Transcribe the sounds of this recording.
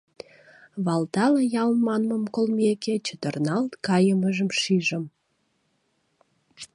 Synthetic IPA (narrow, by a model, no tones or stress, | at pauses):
βɑlt̪ɑləjɑlmɑnməmkolmeket͡ɕət̪ərnɑlt̪kɑjəməʒəmʃiʒəm